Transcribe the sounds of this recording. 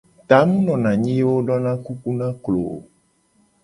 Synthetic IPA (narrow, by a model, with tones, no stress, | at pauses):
t̪a˨˦mũ˦nɔ̃˨nã˨ɲĩ˦je˦wo˦ɖɔ˦nã˦ku˦ku˦nã˦klo̰˨